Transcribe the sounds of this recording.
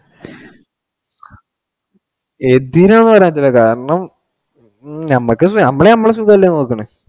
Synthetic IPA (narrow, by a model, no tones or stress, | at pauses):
ed̪iɾaɐnːɨpɐrejːɐt͡ɕːɐlːɐkaːɾɾɐɳɐm | nɐmːɐkːɨsnɐmːɐɭenɐmːɐɭes̬ukːaːilːenːoːkːɐɳɨ